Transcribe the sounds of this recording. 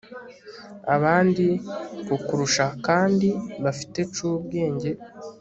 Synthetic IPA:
a̰βaːndikokuɾuʃakaːndiβafi̥te̞t͡ʃubɡe̞ːɲɟe̞

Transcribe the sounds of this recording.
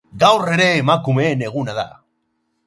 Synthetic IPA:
ɡawre̞ɾe̞ːmakume̞ːne̞ɣ̞unaða̰

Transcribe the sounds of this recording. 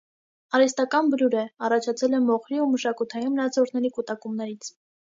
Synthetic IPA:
ɑɾɛst̪ɑkɑnbluɾɛɑrɑt͡ʃʰɑt͡sʰɛlɛmɔχɾiuməʃɑkut̪ʰɑjinməɾɑt͡sʰɔɾʰnɛɾikut̪ɑkumnɛɾit͡sʰ

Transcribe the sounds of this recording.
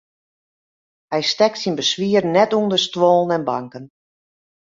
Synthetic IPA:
hɛjstɛk̚tsinbəsʋiərnɛtundəstwɔːlˠənɛnbaŋkən

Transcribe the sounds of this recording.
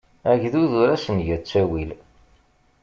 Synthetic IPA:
æʝðuðuɾæsənʝæt͡sːæwil

